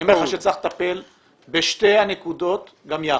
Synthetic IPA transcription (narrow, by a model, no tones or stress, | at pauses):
emeχaʃet͡saχt̪ape̞l | beʃtejanekud̪o̞t̪ | ɡamja